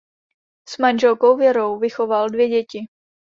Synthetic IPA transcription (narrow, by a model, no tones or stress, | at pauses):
smanʒɛlkowvjɛɾowvɪxo̞valdvjɛɟɛcɪ